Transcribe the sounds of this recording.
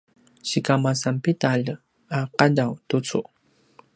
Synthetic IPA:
ɕikamasampit̪aːʎə | aqaʎawt̪ʊt͡sʰʊ̰

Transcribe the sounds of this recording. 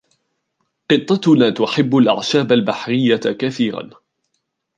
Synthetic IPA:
qɨt̪ˤːɑt̪ʊnaːt̪ʊħɪbːʊlʔa̰ʕʃaːbalbaħɾɪjːakaθiːɾa̰n

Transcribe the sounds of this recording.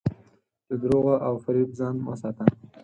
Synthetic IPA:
d̪əd̪ɾoɣaʔawfaɾibzɑnwə̰sɑt̪a

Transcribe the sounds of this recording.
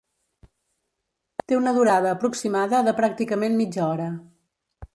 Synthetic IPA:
t̪eunəðuɾaðəːpɾuksimaðəðəpɾak̚t̪ikəmenmid͡ʒɔɾə

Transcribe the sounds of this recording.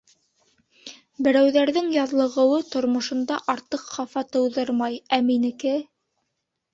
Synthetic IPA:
bɘ̆ɾæwðæɾðɘŋjɑðlˠɤ̆ʁɤ̆wɤt̪ŏɾmŏʃŏnd̪ɑʔɑɾt̪ɤqχɑfɑt̪ɤ̆wðɤɾmɑjæminɘ̆kɘ

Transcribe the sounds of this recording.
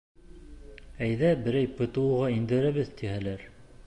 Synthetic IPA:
æjðæbɘ̆ɾæjpɤ̆t̪ɤ̆wɤ̆ʁɑind̪ɘ̆ɾæβɘðt̪ihælæɾ

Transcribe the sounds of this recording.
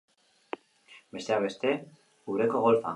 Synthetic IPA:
be̞st̪eaβe̞st̪e̞ | uɾe̞ko̞ɣolfa̰

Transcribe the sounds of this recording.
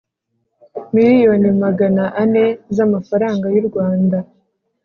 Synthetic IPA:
miɾijo̞nimaɡanaʔane̞zamafaɾaːŋɡajuɾɡwaːnda

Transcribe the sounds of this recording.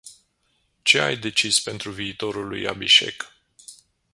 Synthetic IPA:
t͡ʃe̞a̰jd̪e̞t͡ʃispe̞nt̪ɾuviːt̪o̞ɾulṵja̰biʃe̞̰k

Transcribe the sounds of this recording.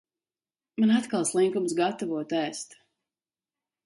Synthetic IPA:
manat̪kalˠslˠiŋkumsɡat̪avuɔt̪æːst̪

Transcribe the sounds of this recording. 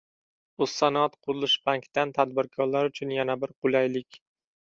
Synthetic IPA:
ʊsːanat̪qʰʊɾɪlˠɪʃbaŋkt̪ant̪ʰad̪̚bɪɾkʰɒɾlaɾʊt͡ʃʰʊnjanabɪɾqʰʊlˠajlɪkʲ

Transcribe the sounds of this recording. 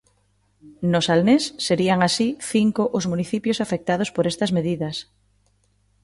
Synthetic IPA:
nosalnesːeɾiaŋasiθiŋkoʔozmuniθipjosafek̚t̪að̞ospoɾest̪ɐzmeðiðɐs

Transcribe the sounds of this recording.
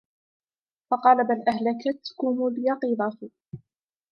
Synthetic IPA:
fɑqɑːlabalʔaɦlakat̪kʊmuljɑqiːðˤɑfi

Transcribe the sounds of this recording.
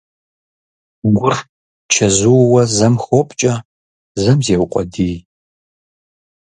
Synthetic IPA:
ɡʷʊr | t͡ʃʰɐzuwɐzɐmxopʼt͡ʃʼɐ | zɐmzeːwqʷʼɔdiː

